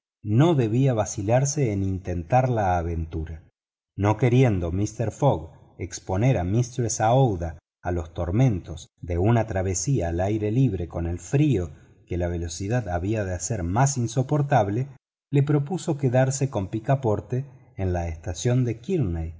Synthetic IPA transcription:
no̞ðe̞β̞iaβasilaɾseːnint̪ent̪aɾlaːβe̞nt̪uɾa | no̞ke̞ɾje̞nd̪o̞mist̪eɾfoɣ | ekspo̞neɾamist̪ɾwesaowðaː | lo̞st̪o̞ɾmẽ̞nt̪o̞zðeunat̪ɾaβ̞e̞siaːlajɾe̞liβ̞ɾe̞ko̞nelfɾio̞ | kelaβe̞lo̞siðaðaβiaðeaseɾmasinso̞po̞ɾt̪aβle | le̞pɾo̞puso̞keðaɾse̞ko̞mpikapo̞ɾt̪eː | nlaest̪asjo̞nd̪ekiɾnej

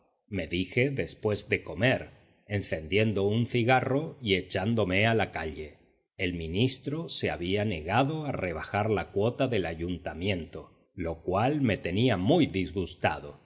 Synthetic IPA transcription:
me̞ðixe̞ðe̞spwe̞zd̪e̞ko̞me̞ɾ | enθe̞nd̪je̞nd̪o̞unθiɣaro̞ie̞t͡ʃand̪o̞me̞alakaʎe̞ | elmĩnist̪ɾo̞se̞a̰βiane̞ɣaðo̞are̞β̞axaɾlakwo̞t̪aðe̞laʝunt̪amjẽ̞nt̪o̞ | lo̞kwalme̞t̪e̞niamujðizɣust̪a̰ðo̞

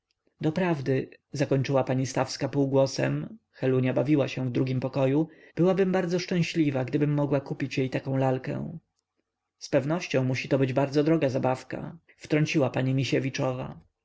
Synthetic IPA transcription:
d̪ɔpɾavd̪ɘ | zakɔɲʲt͡ʂɘwapaɲist̪afskapuwɡwɔsɛ̰m | xɛluɲjabavʲiwaɕɛ̃vd̪ɾuɡʲimpɔkɔju | b̥ɘwabɘmbaɾd̪zɔʂt͡ʂɛ̃w̃ɕlʲivaɡd̪ɘbɘmːɔɡwakupʲit͡ɕjejt̪akɔ̃w̃lalkɛ̰̃ | spɛvnɔɕt͡ɕɔ̃w̃muɕit̪ɔbɘd͡ʑbaɾd̪zɔd̪ɾɔɡazabafka̰ | ft̪ɾɔɲt͡ɕiwapaɲimʲiɕevʲit͡ʂɔva̰

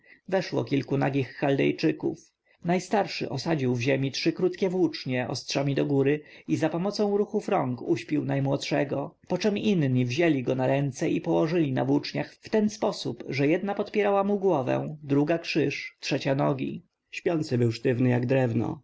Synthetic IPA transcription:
vɛʂwɔ̰kʲilkunaɡʲixːald̪ɛ̰jt͡ʂɘkṵf | najst̪aɾʂɘ̰ʔɔsad͡ʑiwvʑemʲitʂɘkɾut̪kʲɛvwut͡ʂɲɛʔɔ̰stʂamʲid̪ɔɡuɾɘizapɔmɔt̪sɔ̃w̃ɾuxufɾɔŋkuɕpʲiwnajmwɔt̪ʂɛɡɔpɔt͡ʂɛminɲivʑelʲiɡɔnaɾɛnt̪sɛʔipɔwɔʐɘlʲina̰vwut͡ʂɲaxft̪ɛnspɔsupʐɛjɛd̪napɔt̪pʲjɛɾawamuɡwɔvɛ̰d̪ɾuɡakʂɘʂtʂɛt͡ɕanɔɡʲḭ | ɕpʲjɔnt̪sɘbɘwʂt̪ɘvnɘjaɡd̪ɾɛvnɔ̰

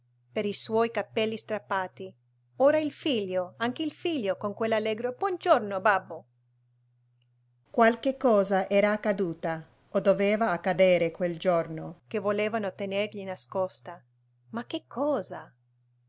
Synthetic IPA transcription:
peɾiswɔjkapːɛlːist̪ɾapːaːt̪i | oːɾailfiʎːoaŋkeilfiʎːokoŋkwelːalːɛːɡɾobwɔnd͡ʒornobabːo | kwalkekːɔːzaʔɛːɾaːkːad̪uːt̪a | od̪oveːvaːkːad̪eːɾekweld͡ʒornok̟evoleːvanot̪enerʎinaskɔst̪a | mak̟ekʰːɔːza

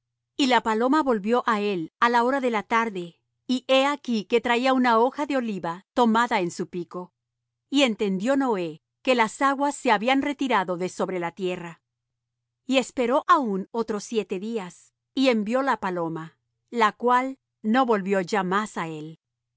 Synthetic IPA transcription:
ilapalo̞maβo̞lβjo̞ʔae̞lalao̞ɾaðe̞lat̪aɾðe̞ | iʔe̞akike̞t̪ɾaiaunao̞xaðe̞o̞liβat̪o̞maðaensupiko̞ | ie̞nt̪e̞nd̪jo̞no̞e̞ | ke̞lasaɣwasːe̞aβianre̞t̪iɾaðo̞ðe̞so̞βɾe̞lat̪je̞ra | ie̞spe̞ɾo̞ʔauno̞t̪ɾo̞sːje̞t̪e̞ðias | ie̞mbjo̞lapalo̞ma | lakwal | no̞βo̞lβjo̞ʝamasae̞l

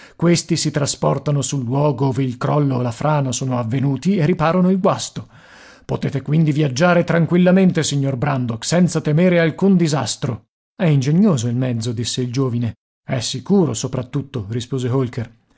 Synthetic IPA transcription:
kwest̪isit̪ɾaspɔrt̪anosulːwɔːɡooːveilkɾɔlːoelafɾʔaːnasoːnoavːenuːt̪ierːipaːɾonoilɡwast̪o | pot̪eːt̪ekwind̪ivjad͡ʒːaːɾet̪ɾaŋkwilːament̪esiɲːorbɾand̪oksɛnt̪sat̪emeːɾealkund̪izast̪ɾo | ɛind͡ʒeɲːoːzoilmɛd̪zːod̪isːeild͡ʒoːvine | ɛsːikuːɾosopɾat̪ːut̪ːoɾispoːzeɦolker

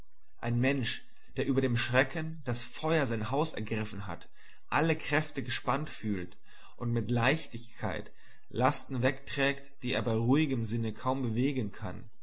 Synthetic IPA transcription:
ʔaɪnmɛnʃ | d̥eːɐʔyːbɐɾeːmʃʁ̥ɛkənd̥asfɔʏɐzaɪnhaʊsɛ̰ɐɡʁɪfn̩ɦa̰t | ʔaləkʁ̥ɛftəɡəʃpantfyːlt | ʔʊntmɪtlaɪçtɪçkʰa̰ɪt | lastn̩vɛktʁ̥ɛːktd̥iːeːɐbaɪʁuːɪɡəmzɪnəkʰaʊmbəveːɡənkʰa̰n

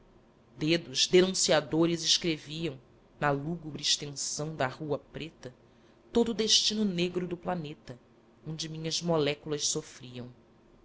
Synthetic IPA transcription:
d̪ed̪ʊzd̪enũsiad̪oɾɪziʃkɾeviɐ̃w̃ | nɐluɡubɾɪːʃt̪ẽsɐ̃w̃d̪ɐhuɐpɾet̪ɐ | t̪od̪ʊːd̪eʃt͡ʃinʊneɡɾʊd̪ʊplanet̪ɐ | õd͡ʒɪmĩɲɐzmolɛkulɐʃsofɾiɐ̃w̃

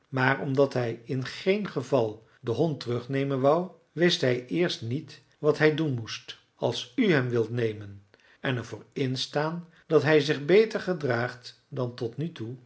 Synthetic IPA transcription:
maːɹɔmdɑtɦɛjɪnχejnχəvɑlˠ | dəɦɔntərɵχnejmənʋʌw | ʋɪstɦɛjɪːɹstnit | ʋɑtɦɛjdunmust | ɑ̰lˠsyɦɛmʋɪlˠtnejmən | ɛnɛɹvʊːɹɪnstaːn | d̥ɑtɦɛjzɪχbejtəɹχədraːχt | dɑntɔtnytu

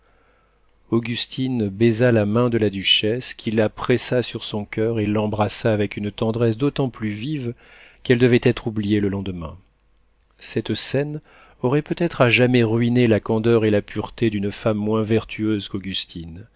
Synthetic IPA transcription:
oɡʲyst̪ʰinbɛzalamɛ̃d̪əlad̪yʃɛskʰʲilːapχɛsasyʁsɔ̃kʲʰœʁelːɑ̃bʁasaːvɛkynt̪ɑ̃d̪ʁɛsd̪ot̪ɑ̃plyvivkɛld̪əvɛt̪ɛt̪χublijeləlɑ̃d̪əmɛ̰̃ | sɛt̪sɛn | ɔʁɛpøt̪ɛt̪χaʒamɛʁɥinelakɑ̃d̪œʁelapyʁt̪ed̪ynfamːwɛ̃vɛʁt̪ʰyøzkoɡʲyst̪ʰin

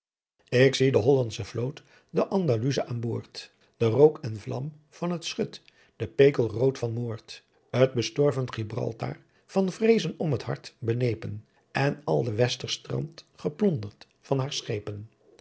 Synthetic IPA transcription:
ɪksidəɦɔlɑntsəvlowt | dəʔɑndalyzəʔaːnboːɹt | d̥ərowkɛnvlɑ̰m | v̥ɑnɦətsχøt | d̥əpejkəlˠrowtfɑnmoːɹt | ət̚bəstɔɹvənχibrɑ̰lˠta̰ː | v̥ɑnvrejzənɔmɦəthɑ̰ɹtbənejpən | ɛnɑ̰lˠdəʋɛstəɹstrɑ̰ntχəplɔndəɹt | fɑnɦaːɹsχejpən

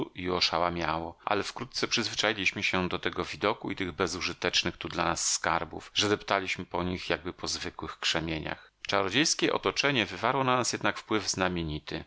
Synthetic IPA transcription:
uiɔʂawamʲjawɔʔa̰lɛfkɾut̪t̪sɛpʂɘzvɘt͡ʂajilʲiɕmɘɕɛd̪ɔt̪ɛɡɔvʲid̪ɔkuit̪ɘɣbɛzuʐɘt̪ɛt͡ʂnɘxt̪ud̪lanasːkaɾbṵfʐɛd̪ɛpt̪alʲiɕmɘpɔɲixjaɡ̚bɘpɔzvɘkwɘxkʂɛmʲjeɲa̰x | t͡ʂaɾɔd͡ʑejskʲɛʔɔ̰t̪ɔt͡ʂɛɲɛvɘvaɾwɔnanasjɛd̪nakfpwɘvznamʲeɲit̪ɘ

